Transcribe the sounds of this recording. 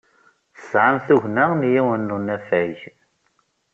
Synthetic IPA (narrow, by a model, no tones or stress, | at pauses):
θəsʕamθuʝnaʁnjiwənːunæfæʝ